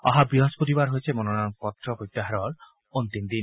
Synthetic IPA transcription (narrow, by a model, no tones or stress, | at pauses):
ɔɦabiɦɔspot̪ibaɾɦojt͡ʃʰemonɔnanpɔt̪ɾɔpojt̪ːaɦaɾɔl | ont̪ind̪in